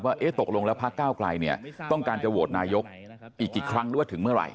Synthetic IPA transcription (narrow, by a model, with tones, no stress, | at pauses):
waː˥˩ʔeː˦˥t̪o˨˩k̚lo˧ŋlɛ˦˥wpʰa˦˥kːaː˥˩wkla˧jni˥˩ɐt̪ɔ˥˩ŋkaː˧nt͡ɕa˨˩woː˨˩t̪̚naː˧jo˦˥k̚ | ʔiː˨˩kʔːiː˨˩kʰɾa˦˥ŋ˨˦wt̪ʰɯ˩˦ŋmɯ˥˩ɐɾa̰˧j